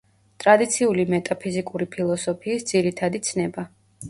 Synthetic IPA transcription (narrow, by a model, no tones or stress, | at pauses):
t̪ʼɾad̪it̪sʰiulimɛt̪ʼapʰizikʼuɾipʰilˠɔsɔpʰiːsd̪ziɾit̪ʰad̪it̪sʰnɛba